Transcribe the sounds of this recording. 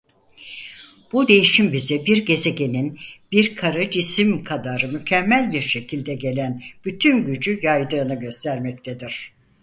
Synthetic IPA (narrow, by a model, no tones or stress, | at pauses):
b̥ud̪e̞jiʃimbizibiɾɟe̞ze̞ɟe̞ninb̥iɾkʰaɾad͡ʒisimkʰad̪aɾɯmycʰɛmːælʲbiɾʃe̞cʰilʲd̪ɛɟe̞lʲænb̥yt̪ʰynɟyd͡ʒyjajd̪ɯːnɯɟø̞st̪ʰæɾmɛc̚t̪ʰed̪iɾ̝̥